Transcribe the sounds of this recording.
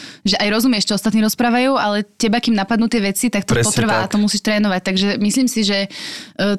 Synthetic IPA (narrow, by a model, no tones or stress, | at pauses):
ʒɛʔajɾɔzumɪɛʃt͡ʃɔɔst̪at̪niːɾɔspɾaːʋajuːalɛcɛbakimnapad̪nuːt̪ɪɛʋɛt͡sit̪ak̚t̪ɔpɔt̪r̩ʋaːat̪ɔmusiːʃt̪ɾɛːnɔʋac̚t̪aɡʒɛmisliːmsiʒɛ